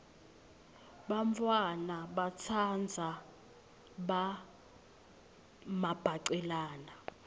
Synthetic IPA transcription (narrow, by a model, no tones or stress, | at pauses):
ɓaɱfʰwanaɓat͡sʰand͡zʱa | ɓa | mab̥ʱaǀɛlaːna